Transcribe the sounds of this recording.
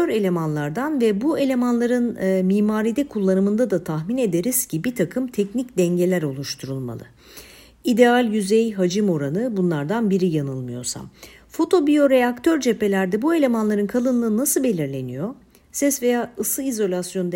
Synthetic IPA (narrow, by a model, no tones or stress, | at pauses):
øɾe̞lʲe̞manlˠaɾd̪anvɛbue̞lʲe̞manlˠaɾɯnmiːmaːɾid̪ɛkʰulˠːanɯmɯnd̪ad̪at̪ʰaxmine̞d̪e̞ɾiz̥cʰibit̪ʰakʰɯmt̪ʰɛcnicd̪ɛɲɟe̞lʲæɾo̞lˠuʃt̪ʰuɾulˠma̰lˠɯ̰ | id̪e̞alʲjyzɛjɦad͡ʒɯmo̞ɾanɯbunlˠaɾd̪anbiɾijanɯlˠmɯjo̞̰ɾsa̰m | fo̞t̪ʰo̞bijo̞ɾeakt̪ʰø̞ɾd͡ʒe̞pe̞lʲæɾd̪ɛbue̞lʲe̞manlˠaɾɯnkʰalˠɯnlˠɯːnasɯbe̞lʲiɾlʲe̞nijo̞ | sɛsve̞jaːʔɯsɯizo̞lʲasjo̞nd̪